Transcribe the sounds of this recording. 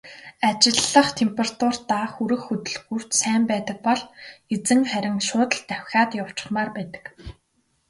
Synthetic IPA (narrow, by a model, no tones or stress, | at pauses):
at͡ɕɪ̆ɮːə̆χt̪ʰempʲerat̪ʰʊrt̪axuɾɘ̆xːɵt̪ɵ̆ɮɡur̥t͡ɕsæːmpæːt̪ə̆k̚pɔɮet͡sɘ̆ŋχæɾʲɪ̆ŋʃʊːt̪ə̆ɬt̪æwʲxʲaːt̪jaw̥t͡ɕɪ̥̆χmaːrpæːt̪ə̥̆k